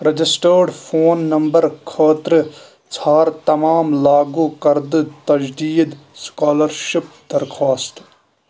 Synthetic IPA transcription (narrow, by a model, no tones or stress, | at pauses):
ɾɐd͡ʒɪsʈəːɾɖfʰoːnːɐmbɐɾkʰəːt̪ɾɨ | t͡sʰaːɾt̪ɐmaːmlaːɡuːkɐɾd̪t̪ɐd͡ʒd̪iːd̪ | skaːlɐɾʃɪp̚d̪ɐɾkʰaːsʈ